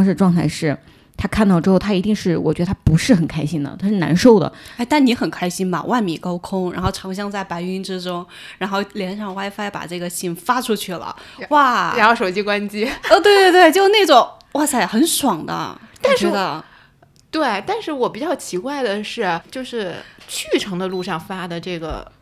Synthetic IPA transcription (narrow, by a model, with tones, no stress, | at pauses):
ŋʂɻ̩˥˧ʈ͡ʂwɑ˥˧ŋt̪ʰa˥˧ɪʂɻ̩˥˩ | t̪ʰa˥kʰa˥˩˧nt̪ɑ˥˧ʈ͡ʂɻ̩˥xʊt̪ʰa˥i˧˥t̪i˥˧ŋʂɻ̩˥˩wɔ̰˨˩t͡ɕɥɛ˧˥d̪ə˧t̪ʰa˥pu˧˥ʂɻ̩˥˩xə˨˩nkʰa˥ɪɕi˥nd̪ə̰˨t̪ʰa˥ʂɻ̩˥˩na̰˧˥nʂo˥˩ʊd̪ə̰˩˥˩ɪt̪a˥˩ni˧˥xə˨˩nkʰa˥ɪɕi˥nmɐ̰˨˩wʔa˥˩nmḭ˨˩kɑ˥ʊkʰʊ˥ŋɻa̰˧˥nxo˥˩ʊʈ͡ʂʰɑ˧˥ŋɕ̬jɑ˥˧ŋt͡sa˥˩ɪpa˧˥ɪy˧˥nʈ͡ʂɻ̩˥ʈ͡ʂʊ˥ŋ | ɻa˧˥nxo˥˩ʊljɛ˧˥nʂɑ˥˩ŋwa˥ɪfa˥ɪpa̰˨˩ʈ͡ʂɤ˥˩ɡə˩ɕi˥˩nfa˥ʈ͡ʂʰu˥t͡ɕʰy˥˩lə̰˩wa˥˩ɻa˧˥nxo˥˩ʊʂo˨˩ʊt͡ɕi˥kwa˥nt͡ɕi˥˧t̪we˥˧ɪt̪we˥˧t̪we˥˧ɪt͡ɕjo˥˧ʊ˧ne˥˩ɪʈ͡ʂʊ˨˩˦ŋ | wa˥˩t͡sʰa˥˩ɪxə˧˥nʂwɑ˨˩ŋd̪ə̰˦t̪a˥˨˧nt͡ɕɥɛ˧˥d̪ə˧ | t̪we˥˩ɪt̪a˥˧nʂɻ̩˥˩wɔ˨˩pi˨˩t͡ɕjɑ˥˩ʊt͡ɕʰi˧˥kwa˥˩ɪd̪ə˩ʂɻ̩˥˩t͡ɕjo˥˧ʊʂɻ̩˥˧t͡ɕʰy˥˩ʈ͡ʂʰɤ˧˥ŋd̪ə˧lu˥˧ʂɑ˥˩ŋfa˥d̪ə˨ʈ͡ʂɤ˥˩ɡə̰˩